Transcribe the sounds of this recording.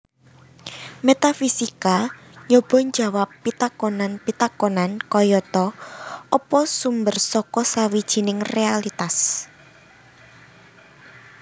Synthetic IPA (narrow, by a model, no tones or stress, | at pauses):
met̪afisika | jɔb̥ɔ̤ɲd͡ʒa̤wapːit̪akɔnanpit̪akɔnankɔjɔt̪ɔɔpɔsumbərsɔkɔsawid̥ʒ̥i̤nɪŋrealit̪as